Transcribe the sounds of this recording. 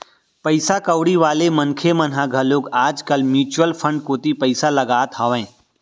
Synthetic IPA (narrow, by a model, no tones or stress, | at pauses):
pəɪsakəwɽiʋaːlemənkʰemənɦaɡʱəloːɡaːd͡ʒkəlmjuːt͡ʃwəlpʰə̃ɳɖ̚koːt̪ipəɪsalɐɡaːt̪ɦɔːʋɛ̃ː